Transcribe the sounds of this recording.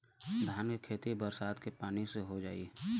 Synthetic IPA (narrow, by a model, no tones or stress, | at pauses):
d̪ʱaːnekʰeːt̪ibəɾsaːd̪kepaːniseɦod͡ʒaːi